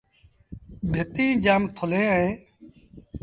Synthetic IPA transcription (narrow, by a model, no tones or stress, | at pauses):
bʱɪt̪ĩːd͡ʒaːmt̪ʰʊlẽːəẽː